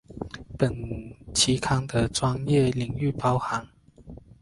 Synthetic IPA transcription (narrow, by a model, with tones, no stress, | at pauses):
pə˨˩nt͡ɕʰi˧˥kʰɑ˥ŋd̪ə˨ʈ͡ʂwɑ˥ŋjɛ˥˨li˨˧˥ŋy˥˨pɑ˥ʊxa˨˥˦ŋ